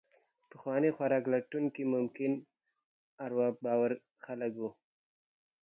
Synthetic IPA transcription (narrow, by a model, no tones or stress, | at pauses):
pəxwɑnixwaɾɑklaʈuŋkimʊmkɪn | aɾwɑbɑwaɾ | xaləkwu